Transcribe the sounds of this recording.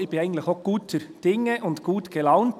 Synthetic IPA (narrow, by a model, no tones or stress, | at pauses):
ɪb̥ɪnæɪɡən̩t̪lɪxoɡ̥uːtʰəɾd̥ɪŋːəʔʊndɡ̥uːtɡ̥ɛlɑʊnt